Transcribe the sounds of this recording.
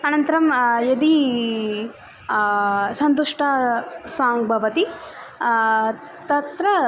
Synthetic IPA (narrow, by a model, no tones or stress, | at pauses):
ɐnɐnt̪ɐɾɐmjɐd̪i | sɐnt̪uʂʈʰɐsaːŋɡbʱɐʋɐt̪i | t̪ɐt̪ɾɐ